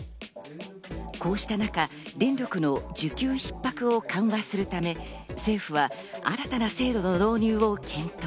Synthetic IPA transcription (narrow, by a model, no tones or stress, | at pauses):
ko̞ːɕi̥t̪anaka | ɾʲẽ̞nɾʲo̞kɯ̟no̞d͡ʑɨkʲɨːçi̥pːakɯ̟o̞kʰãɰ̃βasɨɾɯ̟t̪ame̞se̞ːɸɯ̟βaa̰ɾat̪anase̞ːd̪o̞no̞d̪o̞ːɲ̟ɨːo̞kʲʰẽ̞nt̪o